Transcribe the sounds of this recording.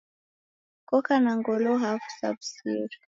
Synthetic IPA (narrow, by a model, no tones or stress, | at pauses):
kɔkanaŋɡɔlɔɦafu̥sa̰bsḭɾ